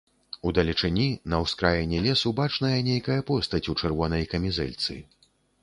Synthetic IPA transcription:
ud̪ɐlʲit͡ʂɨnʲinɐwskɾajɛnʲːɛlʲɛsubat͡ʂnɐjɐnʲejkɐjɐpɔst̪ɐt͡sʲut͡ʂɛrvɔnɐjkɐmʲizɛ̰lʲt̪sɨ̰

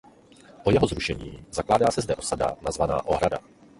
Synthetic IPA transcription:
pojɛɦozɾuʃɛɲiːzaklaːdaːsɛzdɛʔo̞sada̰nazvana̰ːʔoɦɾada̰

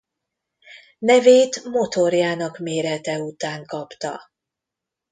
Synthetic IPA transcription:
nɛveːt̪mo̞t̪o̞rjaːnɒkmeːɾɛt̪ɛut̪aːŋkɒpt̪ɒ̰

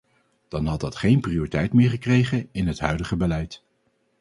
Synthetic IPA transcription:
d̥ɑnɦɑt̚dɑtχejnpriʊːritɛjtmɪːɹχəkrejχənɪnɦətɦœɥdəχəbəlɛjt

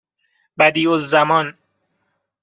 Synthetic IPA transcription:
bæd̪iːozːæmɒn

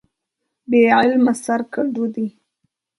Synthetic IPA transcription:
beʕɪlmasaɾkaɖud̪i

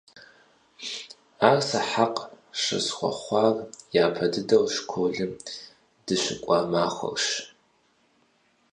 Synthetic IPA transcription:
aːrsɐħaqʼ | ʂɐ̰sχʷɔ̰χʷɑːrjaːpʰɐdɨdɐwʂkʷʰoːɮɨm | d̥ɨɕɪkʷʼɑːmaːχʷɐ̰ʃ

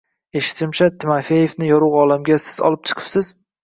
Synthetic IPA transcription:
e̞ʃɪ̥t̪ʰɪmt͡ʃʰat̪ʰːɪmafeje̞fnɪjɒɾuwɒlamɡʲasɪ̥z̥ɒ̰lˠɪp̚t͡ʃʰɨ̥qʰɨ̥psɪz̥

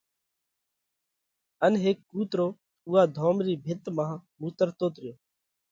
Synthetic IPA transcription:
ənɦeːk̚ːuːt̪ɾoː | uːaːd̪ʱoːmɾiːbʱɪt̪mãːmuːt̪əɾt̪oːt̪ɾɪjoː

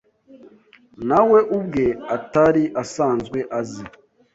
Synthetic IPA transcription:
nawe̞ʔub̚ɡe̞ataɾiʔasaːnzɡwe̞ʔazi

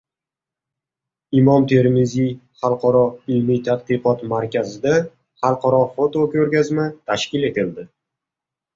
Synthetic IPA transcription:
ɪmɒmt̪ʰe̞ɾmɪzijχɑlˠqʰɒɾɒɪlmit̪ʰad̪̚qɨqɒt̪maɾkʲazɪd̪a | χɑlˠqʰɒɾɒfot̪okʲɵɾɡʲazmat̪ʰaʃkʲɪle̞t̪ʰɪld̪ɪ

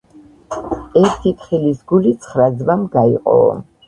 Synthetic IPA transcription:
ɛɾt̪ʰit̪χilisɡulit̪sʰχɾazvamɡaḭqʼɔ̰

